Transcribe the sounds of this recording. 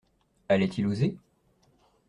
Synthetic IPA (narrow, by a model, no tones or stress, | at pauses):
ɛlɛt̪ʰiluze